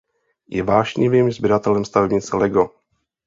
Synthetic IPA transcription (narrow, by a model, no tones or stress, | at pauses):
jɛvaːʒɲɪvimzbɪɾat̪ɛlɛmst̪avɛbɲɪt͡sɛlɛɡo